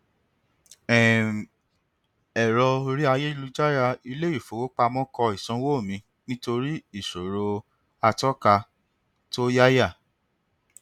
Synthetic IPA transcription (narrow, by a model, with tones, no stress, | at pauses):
ɛ˨ | ɛ˨ɾɔ˧o˧ɾi˦a˧je˦i˦˧lu˧d͡ʒa˦ɾa˧i˧le˦i˦˨fo˨wo˦k͡pa˧mɔ̃˦kɔ˧i˨sɔ̃˨˦wo˦˨mĩ˨˧ | nĩ˦to˧ɾi˦i˦˨ʃo˨ɾo˧ | a˧tɔ˦ka˧ | to˦ja˦ja˦˨